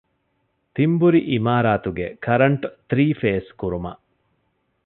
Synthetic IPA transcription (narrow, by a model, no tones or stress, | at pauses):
t̪imbuɾiʔimaːɾaːt̪uɡekʰɐɾɐɳʈt̪ɾiːfeːskuɾumɐ̰ʔ